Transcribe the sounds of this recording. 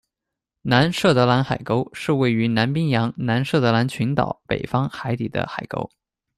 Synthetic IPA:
na˧˥nʂɤ˥˩t̪ɤ˧˥la˧˥nxa˨˩ɪko˥ʊʂɻ̩˥˧we˥˩ɪy˧˥na˧˥npi˥ŋjɑ˧˥ŋna˧˥nʂɤ˥˩t̪ɤ˧˥la˧˥nt͡ɕʰy˧˥nt̪ɑ̰˨˩ʊpḛ˨˩ɪfɑ˥ŋxa˧˥ɪt̪ḭ˨˩d̪ə̰˦xa˨˩ɪko̰˥ʊ

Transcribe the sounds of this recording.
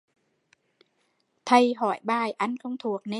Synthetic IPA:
t̪ʰa˧˩jɦɔː˨˩˦jɓaː˧˩jʔa˧˩nkʰo˧wŋ͡mt̪ʰu˨˩˦ək̚ne˧

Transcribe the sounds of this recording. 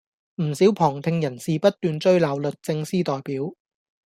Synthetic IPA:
m̩˨˩siː˨˥wpʰɔː˨˩ŋt̪ʰɪ˧ŋjɐ˨˩nsiː˨pɐ˥t̚t̪yː˨˧nt͡sɵ˥ɥlaː˨˧wlɵ˨t̚t͡sɪ˧ŋsiː˥t̪ɔː˨jpiː˨˥w

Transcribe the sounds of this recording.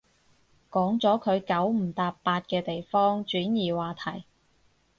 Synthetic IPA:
kɔː˨˥ŋt͡sɔː˨˥kʰɵ˨˧ɥkɐ˨˥wm̩˨˩t̪aː˧ppaː˧t̚kɛː˧t̪e˨jfɔː˥ŋt͡ʃyː˨˥njiː˨˩waː˨˩t̪ʰɐ˨˩j

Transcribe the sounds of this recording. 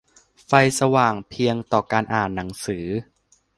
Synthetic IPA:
fa˧jsa˧waː˨˩ŋpʰi˧əŋt̪ɔː˨˩kaː˧nʔaː˨˩nːa˩˦ŋsɯː˩˦

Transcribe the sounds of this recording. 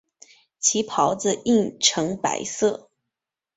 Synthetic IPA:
t͡ɕʰi˧˥pʰɑ˧˥ʊd͡z̩˥˧i˥˩ŋʈ͡ʂʰɤ˧˥ŋpa̰˧˥ɪsɤ˥˩

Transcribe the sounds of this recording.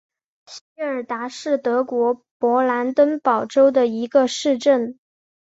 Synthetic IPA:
ɕi˧˥ə˞˨˩t̪a˧˥ʂɻ̩˥˩t̪ɤ˧˥kwɔ˧˥ | pwɔ˧˥la˧˥nt̪wə˥npɑ˨˩ʊʈ͡ʂo˥ʊd̪ə˨i˧˥ɡə˧ʂɻ̩˥˧ʈ͡ʂə˥˩n

